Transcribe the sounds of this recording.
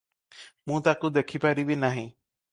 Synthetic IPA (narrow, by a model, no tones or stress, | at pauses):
mũt̪akud̪ekʰipaɾibinaɦĩ